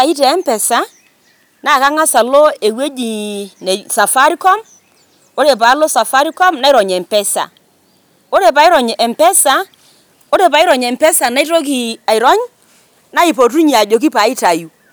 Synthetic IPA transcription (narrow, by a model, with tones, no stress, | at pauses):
a˨i˦tɛ˨ɛ˦mpɛ˨sa˦ | na˦˨ka˦ŋa˦sa˨lo˦e˨we˦d͡ʒi˨ne˨sa˨fa˦ɾi˦kɔ˦m | o˦ɾe˨pa˨˦lo˦sa˨fa˦ɾi˦kɔ˦mna˦i˦ɾɔ˨ɲɛ˨mpɛ˦sa̰˨ | o˦ɾe˨pa˨i˦ɾɔ˨ɲ˨ɛ˨mpɛ˦sa˨˦ | o˦ɾe˨pa˨i˦ɾɔ˨ɲɛ˨mpɛ˦sa˨na˦i˦ɾo˦k̬i˨a˨i˨ɾɔ˦ɲ | na˦i˨po˨t̬u˦ɲi˨a˨d͡ʒo˨k̬i˦pa˨˦i˦ta˨ju˨